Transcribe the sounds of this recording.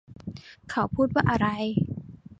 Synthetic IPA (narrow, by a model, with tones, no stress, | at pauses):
kʰa˨˦wpʰuː˥˩t̪̚waː˥˩ʔa˧ɾa˧j